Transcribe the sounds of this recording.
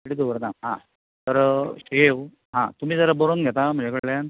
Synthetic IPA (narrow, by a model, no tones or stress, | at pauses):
eɽid̪oʋəɾnaɦã̰ | t̪əɾeʋ | ɦã̰t̪um̤iːd͡zəɾabəɾonɡʱɛt̪am̤ə̃ɳd͡ʑekəɽlan